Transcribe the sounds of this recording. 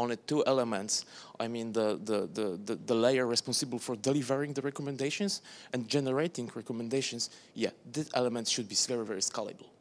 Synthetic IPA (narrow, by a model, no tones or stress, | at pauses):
ɔ̃nɨtːuʔɛləmɛ̃ntsʔaɪmĩnðəðəðəðəðəleɪə˞ɹɛspɔ̃nsɨbəl̩ˠfɔɹd̪ɛlivəɹɪ̃ŋðəɹɛkɔmɛ̃ndeɪʃɔ̃nsʔɛ̃nd͡ʒɛnəɹeɪt̪ɪ̃ŋɹɛkɔmɛ̃ndeɪʃɔ̃ns | jæðɪsɛ̰ləmɛ̃ntʃud̪̚bivɛɹivɛɹiskalˠə̰bəl̩ˠ